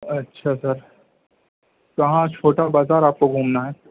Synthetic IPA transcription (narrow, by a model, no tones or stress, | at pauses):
ɐtːʃʰasɐɾ | kɐɦãt͡ʃʰoːʈabaːzaːɾaːp̚koɡʱuːmnaɦɛː